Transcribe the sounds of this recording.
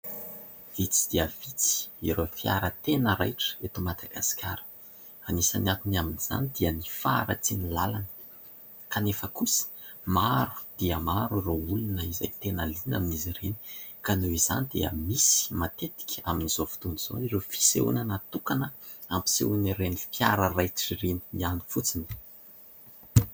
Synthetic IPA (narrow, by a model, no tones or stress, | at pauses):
v̥it͡si̥d̪̥iəvit͡si̥iɾofia̰ɾət̪enəɾa̰jʈ͡ʂə̥et̪umat̪aka̰skʲa̰ɾə̥ | anisaniat̪unaminiz̥a̰nid̪̥iənifaɾa̰t͡sinilalanə̥ | kanefəkusə̥maɾu̥d̪̥iəmaɾuroulunəiza̰jt̪enəlinaminiziɾeni̥kanuiza̰nid̪eə̰misi̥mat̪et̪i̥kʲaminizofi̥t̪uniz̥o̰irefi̥seṵnanat̪ukanəampi̥sḛuniɾenipjaɾərajt͡siriniiani̥fut͡sini̥